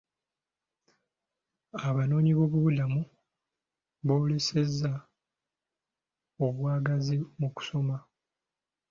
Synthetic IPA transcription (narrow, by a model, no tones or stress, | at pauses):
aβano̞ːniβo̞βuβudamu | βo̞ːle̞se̞zːa | oβwaːɡazimuku̥so̞ma